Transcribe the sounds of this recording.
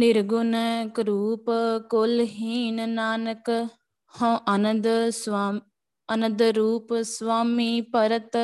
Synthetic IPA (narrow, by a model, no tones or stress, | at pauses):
nɪɾɡʊnəkɾuːpkolɦiːnnaːnək | hõːʔɐnəd̪ | ɐnə̃nd̪ɾuːpsʋaːmipɐɾət̪